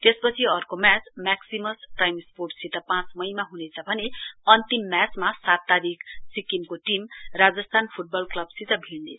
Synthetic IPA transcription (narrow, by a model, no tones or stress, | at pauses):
t̪espʌt͡sʰiʌrkomjat͡smaksimʌsʈrajmsporʈsit̪ʌpãt͡smʌjmaɦunet͡sʰʌbʱʌneʌnt̪imːjat͡smasat̪ːaɾikʰsikimkoʈimrad͡zʌst̪ʰanpʰuʈ̚bʌlklʌbsit̪ʌbʱilne